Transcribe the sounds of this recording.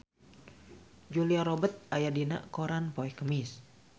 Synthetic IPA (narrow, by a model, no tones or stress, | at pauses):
d͡ʒuliaɾobət̪̚ajadina̰ʔkoɾanpoɛkəmis